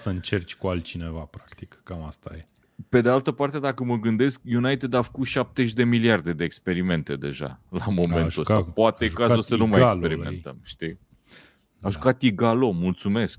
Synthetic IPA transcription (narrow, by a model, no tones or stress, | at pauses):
səɨnt͡ʃert͡ʃʲkualt̪̚t͡ʃinevapɾakt̪ikkamast̪a̰je | pe̞d̪ealt̪əpart̪e̞d̪akəməɡɨnd̪e̞skjunajt̪ed̪afə̥kut̪ʃap̚t̪eʃ̬ʲd̪e̞miliard̪e̞d̪e̞ːkspe̞ɾime̞nt̪e̞d̪e̞̰ʒa̰lamo̞ment̪uə̰apoat̪eʒukazsənumaajkssppeɾimennt̪ə̰mʃt̪i | aʒukat̪iɡalo̞mult̪sume̞sk̚